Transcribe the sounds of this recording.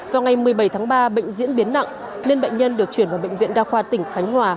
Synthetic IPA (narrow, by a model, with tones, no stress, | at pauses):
vaː˨˩wŋa˨˩jmɨ˨˩əjɓə˧˩jt̪ʰaː˨˦ŋɓaː˧ɓə̰˧˨ŋ̟zḭ˧˥ənɓi˨˦ənːa̰˧˨ʔ | ne˧nɓə̰˧˨ŋ̟ɲə˧nɗɨ˨˩ək̚t͡ɕwi˧˩ənvaː˨˩ɓə̰˧˨ŋ̟vḭ˧˨ənɗaː˧xwaː˧t̪ï˧˩ŋ̟xa˨˦jŋ̟hwaː˨˩